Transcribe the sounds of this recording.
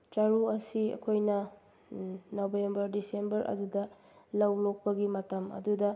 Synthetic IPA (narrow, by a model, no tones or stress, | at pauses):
t͡ʃaɾuɐsiɐ̰kʰojnɐ | nobembɐɾdisembɐɾʔɐ̰dudɐ | lɐwlok̚pɐɡimɐtɐmɐ̰dudɐ